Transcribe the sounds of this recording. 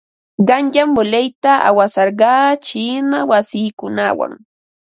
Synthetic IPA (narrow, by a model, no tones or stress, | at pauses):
ɢɑŋjamːʊlajt̪aʔa̰wasɑɾɢɑːt͡ʃinawasiːkʊnawa̰ŋ